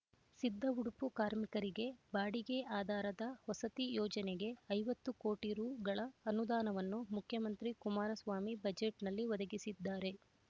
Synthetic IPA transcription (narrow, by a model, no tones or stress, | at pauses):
sid̪ʱːɐuɽupukaːɾmikɐɾiɡe̞baːɽiɡeʔaːd̪ʱaːɾɐd̪ɐhɔsɐt̪ijɔːd͡ʒɐneɡe̞ɐjʋɐt̪ːukoːʈiɾuːɡɐɭɐːnud̪aːnɐʋɐnːumukʰjɐmɐnt̪ɾikumaːɾɐsʋaːmibɐd͡ʒeʈnɐlːiʋɐd̪ɐɡisid̪ːaːɾe̞